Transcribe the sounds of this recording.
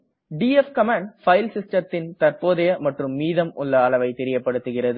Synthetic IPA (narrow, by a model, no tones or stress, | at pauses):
ɖiːɛfkɐmaːɳɖfɐɪlsɪsʈɐɾt̪ːɪnt̪ɐrpoːðɐjɐmɐʈrɯmːiːðɐmʔʊɭːɐːlɐʋɐɪt̪ɛɾɪjɐpːɐɽɯt̪ːɯɣɪrɐðɯ